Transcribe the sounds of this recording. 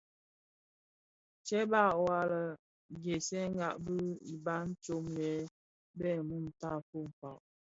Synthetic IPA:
t͡ʃɛ˦ba˦˨wa˦lə˨ | ɡe˨sɛ˦ŋ˦ɡa˨ʔbə˦i˨ba˦n̩˦t͡ʃo˦mjɛ˦ | bɛ˦˨mu˦˨n˨ta˦fo˦˨m̩˨pa˨ʔ

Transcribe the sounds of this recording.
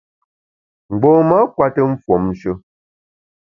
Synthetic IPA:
ŋ͡m̩˨ɡ͡bɔ˨˦ma˦kwa˦tə˦m̩˦fwɔ˨mn̩˦ʃə˦

